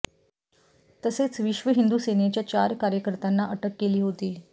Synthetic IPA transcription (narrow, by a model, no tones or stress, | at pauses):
t̪əset͡sʋiɕʋəɦind̪usenet͡ɕjat͡ɕaɾkaɾjəkəɾt̪anːaʔəʈəkːeliːɦot̪iː